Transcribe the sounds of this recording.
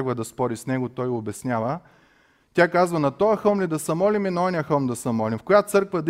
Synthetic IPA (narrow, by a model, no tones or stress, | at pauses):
ɡvɐd̪ɐspɔɾisnɛɡot̪ɔjobɛsnʲjavə | t̪ʲakazvɐnɐt̪ɔɐxɤmlid̪ɐsɛmɔliminɐɔnʲijəxəlˠmd̪ɐsɛmɔlimfkojat̪sɤɾkvɐd̪